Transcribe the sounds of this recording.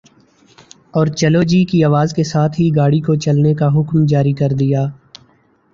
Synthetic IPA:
ɔːɾt͡ʃɐlod͡ʒiːkiaːʋaːzkesaːt̪ʰɦiɡaːɽikot͡ʃɐlnekaɦʊkmd͡ʒaːɾikɐɾd̪ijaː

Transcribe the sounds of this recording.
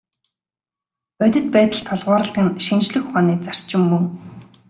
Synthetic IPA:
œt̪ʲɵ̆t̪̚pæːt̪ə̆ɮt̪ʰːɔɮʁʊːɾə̆ɬt̪ĭnʃint͡ɕɮɘ̆xχaːniːt͡sar̥t͡ɕɪ̆mːɵŋ

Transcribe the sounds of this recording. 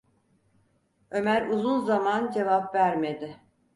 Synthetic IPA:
ø̞mæɾuzunzamand͡ʒe̞vapvæɾmed̪ɪ

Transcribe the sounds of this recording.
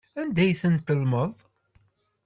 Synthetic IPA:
ænd̪æjθənt̪əlməðˤ

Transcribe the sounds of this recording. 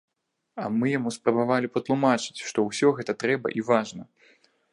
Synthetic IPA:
ɐmɨjamuspɾɐbavalʲipɐt̪lˠumat͡ʂɨ̥t͡sʲʂt̪ɔwsʲɔɣɛt̪ɐt̪ɾɛbɐ̰ʔivaʐnɐ

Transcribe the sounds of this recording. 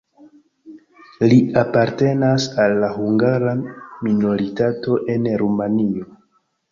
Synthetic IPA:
liapaɾte̞nasalːaɦuŋɡaɾamino̞ɾitato̞ʔe̞nɾumanio̞

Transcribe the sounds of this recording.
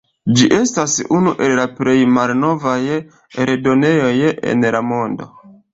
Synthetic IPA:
d͡ʒiʔe̞stasunuʔe̞llaple̞jmalno̞vaj | eɾedo̞ne̞jo̞jḛnlamo̞ndo̞̰

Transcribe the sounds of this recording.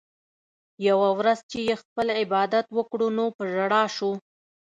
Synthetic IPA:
jawawɾazt͡ʃejexpəlɪbɑd̪at̪wəkɽunopəʒaɽɑʃu

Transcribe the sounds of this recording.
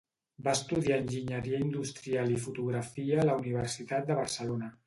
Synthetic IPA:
baəst̪uðiaənʲʒiɲəɾiəind̪ust̪ɾialifut̪uɣɾəfiəːləuniβ̞ərsit̪at̪̚d̪əβ̞əɾsəlonə

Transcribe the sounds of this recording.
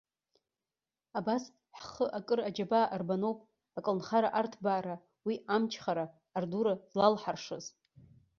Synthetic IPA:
abas | ħχəʔakʼɨrad͡ʒabaːʔarbanowpʼ | akʼlnχaɾaʔartʰbaːɾa | wiamt͡ʃʰχaɾaː | rduɾazlalħarʂɨz

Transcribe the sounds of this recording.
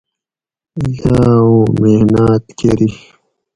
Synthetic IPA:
jaːũːmehnaːt̪keɾi

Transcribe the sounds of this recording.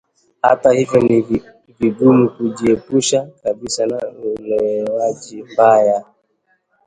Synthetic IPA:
ha̰tahivjɔniv | viɡumukuʄiɛpuʃakabisanaulɛwaʄimbaja

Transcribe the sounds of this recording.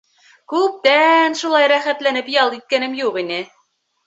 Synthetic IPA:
kʉp̚t̪ænʃulˠɑjɾæχæt̪lænɘpjɑlˠit̪̚kænɘmjuqinɘ

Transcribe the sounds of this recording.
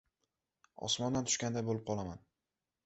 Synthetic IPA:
ɒ̰smɒnd̪ant̪ʰʊ̥ʃkʲand̪ajbolɪp̚qʰɒlˠaman

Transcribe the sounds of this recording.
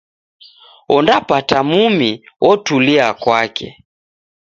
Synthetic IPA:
ɔndapatamumiwɔtuliakwakɛ̰

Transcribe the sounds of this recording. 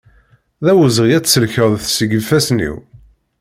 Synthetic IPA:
ðæwəzʁijæt͡sːsəlçəʁðθsəɡəfæsnḭw

